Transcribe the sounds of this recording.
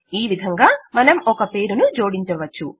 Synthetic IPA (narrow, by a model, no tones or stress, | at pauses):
iːʋid̪ʱɐŋɡaːmɐnɐmɔkɐpe̞ːɾunud͡ʒo̞ːɽiɲt͡ʃɐʋɐt͡ʃːṵ